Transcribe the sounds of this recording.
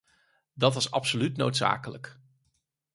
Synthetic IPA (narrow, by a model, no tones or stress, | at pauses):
dɑtʋɑsɑ̰psolytnowtsa̰ːkələk